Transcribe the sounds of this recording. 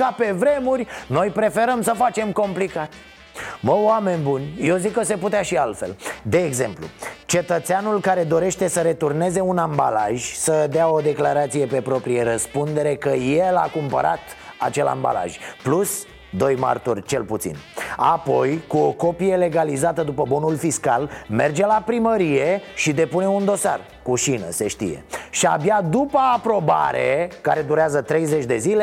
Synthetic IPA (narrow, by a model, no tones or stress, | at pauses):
kape̞vɾe̞murʲno̞jpɾe̞fe̞ɾəmsəfat͡ʃe̞mko̞mplikat̪ | məame̞nʲbunʲjewzikːəs̬e̞put̪eaʃialt̪fe̞̰ld̪e̞ːɡze̞̰mplṵt͡ʃe̞t̪ət̪seanulkaɾe̞d̪o̞ɾe̞ʃt̪e̞səɾe̞t̪urne̞ze̞unamba̰laʒʲsəd̪eao̞d̪e̞klaɾat̪sije̞pe̞pɾo̞pɾijeɾəspund̪e̞ɾe̞kəje̞la̰kumpə̰ɾat̪a̰t͡ʃe̞la̰mba̰la̰ʒplus | d̪o̞jma̰rt̪urʲt͡ʃe̞lput̪sḭnapo̞jkuoko̞pije̞le̞ɡalizat̪əd̪upəbo̞nulfiskalme̞rd͡ʒe̞lapɾiməɾije̞ʃid̪e̞pune̞und̪o̞sa̰r | kuʃinə̰se̞ʃt̪ḭje̞̰ʃiabjad̪upəːpɾo̞ba̰ɾekaɾe̞d̪uɾeazət̪ɾe̞jze̞t͡ʃʲd̪e̞zile